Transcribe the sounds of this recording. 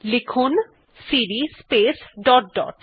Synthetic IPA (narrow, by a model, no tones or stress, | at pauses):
lekʰun | siɾispesɖɔʈ̚ɖɔ̰ʈ